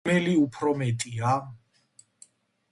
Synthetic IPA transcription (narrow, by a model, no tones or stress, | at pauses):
ɛliupʰɾɔmɛt̪ʼia